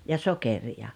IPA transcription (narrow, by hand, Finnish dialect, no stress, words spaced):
jɑ sokerijɑ